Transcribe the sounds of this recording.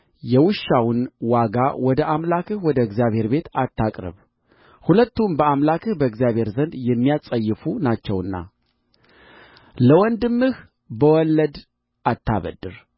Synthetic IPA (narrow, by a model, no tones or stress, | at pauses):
jɛwɨʃːawʊnwaɡawɔd̪əʔamlakɨhwɔd̪əɡzjaβhe̞ɾbe̞t̪at̪ʰːakʼɾɨ̰β | hulət̪ːumbəamlakʰɨhbəɨɡzijaβhe̞ɾzənd̪jɛmːijasʼəjːɨfunat͡ʃːɛwɨnːa̰ | ləwɔnd̪ɨmːɨh | bəwɔlːəd̪ | ʔat̪ʰːa̰βə̰d̪ːɨɾ